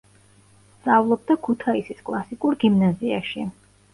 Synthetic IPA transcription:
sd̪zʼavlˠɔb̚d̪akʰut̪ʰaisiskʼlˠasikʼuɾɡimnaziaʃi

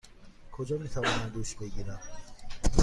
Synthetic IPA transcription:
kʰod͡ʒɒmit̪ʰavɒnamd̪uʃbeɡiɾæm

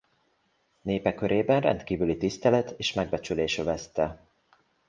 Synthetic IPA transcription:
neːpɛkøɾʔeːbɛnrɛ̰nt̪kiːvylit̪ist̪ɛlɛt̪ʰeːʃmɛɡ̚bɛt͡ʃyleːʃøvɛst̪ɛ

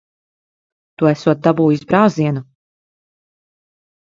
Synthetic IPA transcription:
t̪uɛsuɔt̪̚d̪abuːjisbɾawziɛnu

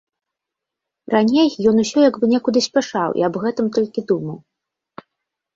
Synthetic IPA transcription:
ranʲejjɔnusʲɔjaɡbɨnʲɛkud̪ɨsʲpʲaʂawʔḭɐbɣɛt̪ɨmt̪ɔlʲkʲid̪umɐw

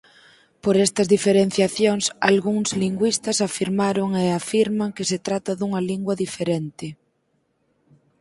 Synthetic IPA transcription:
poɾɛst̪ɐzðifeɾen̟θjaθjoŋsa̰lɣuŋzliŋɡwist̪ɐsafiɾmaɾʊŋeafiɾmaŋkɪset̪ɾat̪ɐðuŋɐliŋɡwɐðifeɾent̪ɪ

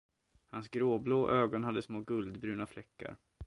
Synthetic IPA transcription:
hansɡɾoːbloːʔøːɡɔnɦad̪ːəsmoːɡɵld̪bɾʉ̟ːnaflɛkːa̰ɾ

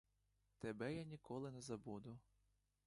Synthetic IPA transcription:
t̪ebɛjanʲikɔlˠɪnɛzɐbud̪ʊ

